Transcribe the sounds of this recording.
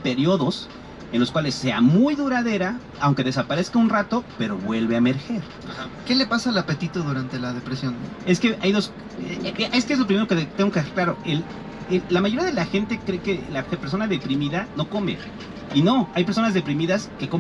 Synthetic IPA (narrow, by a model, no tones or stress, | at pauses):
peɾjo̞ðo̞s | e̞nloskwale̞sːe̞a̰mujðuɾaðe̞ɾa | awŋke̞ðe̞sapaɾe̞skaunrat̪o̞pe̞ɾo̞̰βwe̞lβe̞ame̞ɾxe̞ɾ | ahakele̞pasalapet̪it̪oðuɾant̪elaðepɾesjo̞ne̞ske̞ʔajðo̞s | ʔest̪eezlo̞p̬ɾimeokeðt̪eŋɡo̞kesɾklaɾo̞̰el | eːamaʝoɾiaðe̞laxe̞nt̪e̞kɾe̞ke̞lape̞ɾs̬o̞naðe̞pɾimiðano̞ko̞me̞̰ | ino̞ajp̬eɾso̞nazðe̞pɾimiðaske̞ko